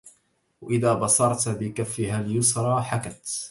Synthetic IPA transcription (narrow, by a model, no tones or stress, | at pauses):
waʔɪðaːbɑsˤɑɾˤt̪bɪkafːɪhaːljʊsɾˤɑːħakat̪